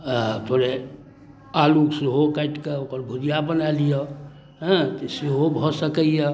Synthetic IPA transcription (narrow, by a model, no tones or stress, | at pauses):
t̪ʰoɾe | alukseɦokaɪʈkeokəɾbʱuɾijabənalijɔ | ɦt̪seɦobʱɔsəkəje